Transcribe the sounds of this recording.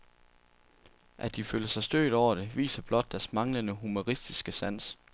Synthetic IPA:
ʔæd̥iføːlɐsɑ̈ɪsd̥ø̰ːɪd̥ɒʊ̰ɐɾ̥e̝ʋḭːsɐb̥lɒ̽d̥̚ːæɐsmɑ̈ŋlənəɦumo̝ʁisd̥isɡ̥əsæn̰s

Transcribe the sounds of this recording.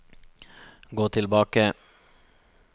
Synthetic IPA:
ɡoːt̪ʰɪlbɑːkə

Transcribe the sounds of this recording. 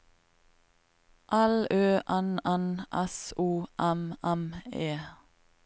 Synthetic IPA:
ʔæløːʔænænʔɛsuːʔæmʔæmeː

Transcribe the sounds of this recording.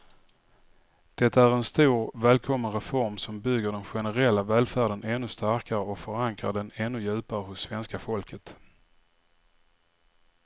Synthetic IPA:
d̪̥ɛt̪ʰːaæɾɛnst̪uːɾvæːlkʰɔmːənɾɛfɔɾmsɔmbʏɡːəɖɛnɧɛnəɾɛlːavæːlfæːɖənɛnːɵst̪æɾkaɾəɔkfœɾaŋkɾaɖɛnɛnːɵjʉ̟ːpaɾəɦʊsːvɛnskafɔlkʰət̪

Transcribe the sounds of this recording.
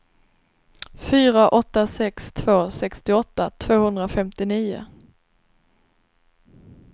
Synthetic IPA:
fyːɾaʔɔt̪ːasɛkst̪ʰvoːsɛkst̪ɪɔt̪ːat̪ʰv̥oːhɵnd̪ɾafɛmt̪ɪniːʊ̰

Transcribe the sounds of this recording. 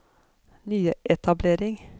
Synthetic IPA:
nyːəʔɛt̪ʰɑbleːɾɪŋ

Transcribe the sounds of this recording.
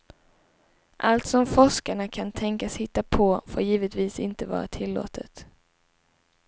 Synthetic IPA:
ʔalt̪sɔmfɔʂkaɳakʰant̪ʰɛŋkashɪt̪ːapʰɔfo̰ːɾjiːvət̪viːsɪnt̪əvɑ̰ːɾa̰t̪ʰɪlːo̰ːt̪ʰət̪

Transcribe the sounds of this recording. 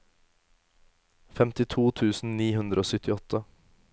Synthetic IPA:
fɛmt̪ɪt̪ʰuːt̪ʰʉːsn̩niːhʉnd̪ɾəoːsʏt̪ɪɔt̪ʰə

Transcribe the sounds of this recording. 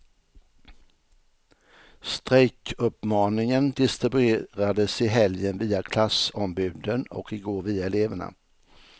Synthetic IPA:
st̪ɾɛjkɵpmɑːnɪŋənd̪ɪst̪ɾɪbʉeːɾad̪əsɪɦɛljənviːakʰlasɔmbʉ̟ːd̪ənɔ̰kɪɡoːɾviːaɛleːvəɳa̰

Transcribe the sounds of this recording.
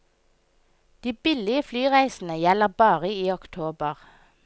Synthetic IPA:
d̪̥iːbɪlɪəflyːʁæɪsn̩əjɛləʁbɑːʁəiːɔkt̪ʰoːbəʁ

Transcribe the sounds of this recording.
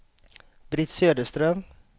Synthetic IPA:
bɾɪt̪søːd̪əst̪ɾœm

